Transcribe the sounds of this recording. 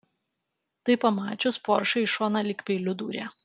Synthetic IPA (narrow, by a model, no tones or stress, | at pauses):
t̪ɐɪpɐmɑːt͡ʃʲʊspɔɾʃɐɪʃoːnɐlʲɪkʲpʲɛɪlʲʊd̪ṵːɾʲæː